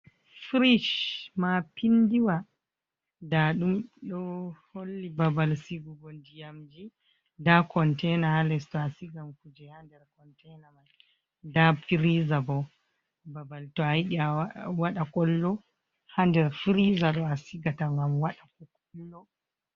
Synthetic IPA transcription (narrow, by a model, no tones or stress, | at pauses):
fɾiʃmapindiwa | daɗumɗɔholːibabalsiɡuɡɔndijamd͡ʒi | dakɔntɛnahalɛstɔasiɡamkud͡ʒɛhandɛɾkɔntɛnamaj | dafiɾizabɔ | babaltɔajɗiawaɗakɔlːɔ | handɛɾfɾizaɗɔasiɡataŋɡamwaɗak̚ɔkumlɔ